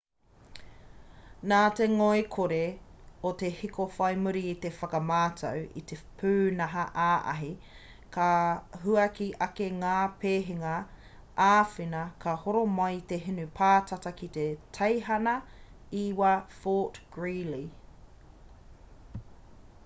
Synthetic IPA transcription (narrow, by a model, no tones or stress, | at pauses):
naːt̪eŋoekʰoɾeot̪e̞hikʰofɐjmuɾiːt̪efɐkɐmaːtʰɐ̰wḭt̪epʰʉːnɐɦɐʔaːʔɐ̰ɦi | kʰɐɦuɐkiʔɐkeŋaːpʰeːɦiŋɐ | aːfinɐkʰɐhoɾomɐjt̪eɦinupʰaːtʰɐtɐkit̪etʰɐjɦɐnɐ | iwafoːtɡ̥ɹili